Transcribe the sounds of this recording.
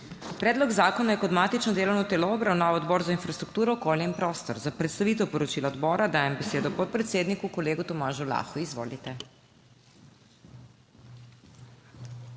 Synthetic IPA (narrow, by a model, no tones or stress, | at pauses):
pɾɛːd̪lɔɡzaːkɔnajɛkɔd̪maːt̪it͡ʃnɔd̪eːlɔwnɔt̪ɛlɔːbɾawnaːwɔd̪bɔːɾzainfɾast̪ɾuk̚t̪uːɾɔɔkoːljainpɾɔːst̪ɔɾzapɾɛt̪st̪aʋiːt̪ɛwpɔɾɔt͡ʃilaɔd̪bɔːɾad̪aːjɛmbɛseːd̪ɔpɔt̪̚pɾɛt̪seːd̪nikukɔleːɡut̪ɔmaːʒula̰ːxuizʋo̰ːlit̪ɛ